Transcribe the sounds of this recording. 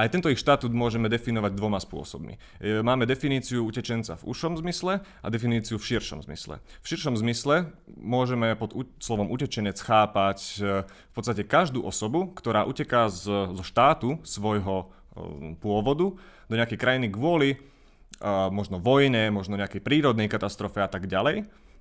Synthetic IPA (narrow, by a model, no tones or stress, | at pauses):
ajt̪ɛnt̪ɔixʃt̪at̪uːd̪mʊɔʒɛmɛd̪ɛfinɔʋaɟ̚d̪ʋɔmaspʊɔ̰sɔbmḭ | maːmɛd̪ɛfiniːt͡siuucɛt͡ʃɛnt͡sa̰vṵʃɔmzmislɛ | a̰d̪ɛfiniːt͡siufʃiɾʃɔ̰mzmḭslɛ̰fʃiɾʃɔmzmislɛmʊɔʒɛmɛpɔd̪uslɔʋɔmucɛt͡ʃɛɲɛt͡sxaːpac | fpɔt̪st̪acɛkaʒd̪ṵːʔɔsɔbukt̪ɔɾaːʔucɛkazzɔʃt̪aːt̪usʋɔjɦɔ | pʊɔʋɔd̪ud̪ɔɲɛakɛjkɾajiniɡʋʊɔli | mɔʒnɔʋɔjɲɛmɔʒnɔɲɛakɛjpɾiːɾɔd̪nɛjkat̪ast̪ɾɔfɛat̪aɡɟalɛj